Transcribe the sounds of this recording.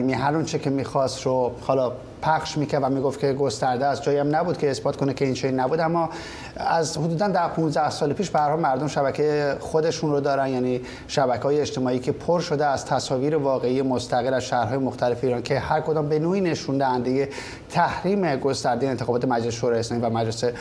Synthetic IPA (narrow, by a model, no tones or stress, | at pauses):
miɦæɾont͡ʃʰekʰemiːxɒːst̪ɾohɒːlɒ | pʰæxʃmiːcʰæɾd̪væmiːɡoft̪kʰe̞ɡo̞st̪æɾd̪eæzd͡ʒɒːjiæmnæbuːd̪̥kcʰe̞ːsbɒːt̪kʰo̞nekʰe̞int͡ʃʰeinːæbuːd̪æmːɒː | æzhod̪uːd̪ænd̪æɾpʰũnzd̪æhsɒːlepʰiːʃb̥ehæɾhɒːlmæɾd̪o̞mʃæbæcʰejexod̪e̞ʃunrod̪ɒːɾænd̪jæːni | ʃæbæcʰeɒːjeːt͡ʃt̪ʰe̞mɒːiːcʰe̞pʰoɾʃo̞d̪eæz̥t̪ʰæsɒːviːɾevɒːɣe̞iːjemost̪æɣelæz̥ʃæːhɾɦɒːjemoxt̪æle̞feiːɾɒncʰe̞hæɾkʰo̞d̪ɒːmbe̞noːiːne̞ʃund̪æhænd̪eje | t̪ʰæhɾiːme̞ɡo̞st̪æɾd̪ejent̪exɒːbɒːt̪ʰemæd͡ʒleseʃoɾɒːjeslɒːmivæmæd͡ʒlese